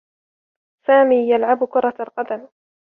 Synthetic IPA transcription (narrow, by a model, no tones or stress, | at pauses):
saːmiːjalʕabkʊɾˤɑalqɑd̪am